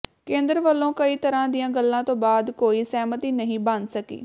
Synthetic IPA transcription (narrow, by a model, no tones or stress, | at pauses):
kẽːnd̪əɾʋəlːõːkəiːt̪əɾãːd̪ɪjãːɡəlːãːt̪õːbaːd̪koːiːsɛːmət̪iːnəɦĩːbəndsəkḭː